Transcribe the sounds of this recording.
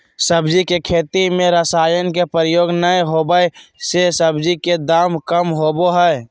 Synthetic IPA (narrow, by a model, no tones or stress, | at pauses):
səbd͡ʒikekʰeːt̪imẽɾəsaːjənkepəɾjoːɡnəjɦoːbəisesəbd͡ʒiked̪aːmkəmɦoːboɦɛ